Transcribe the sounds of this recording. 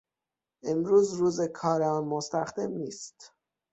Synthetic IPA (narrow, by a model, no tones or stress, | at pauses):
ʔe̞mɾuːzɾuːzekʰɒːɾeɒːnmost̪æxd̪e̞mniːst̪